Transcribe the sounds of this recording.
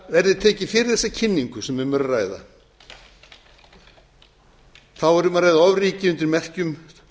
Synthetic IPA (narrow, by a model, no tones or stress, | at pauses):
vɛɾðɪt̪ʰɛːcɪfɪːɾɪθɛsːacʰɪnːiŋkʏsɛmvɛmœɾraːjða̰ | θawɛɾʏmaɾajðaɔvriːcɪʏnt̪ɪɾmɛr̥cʏm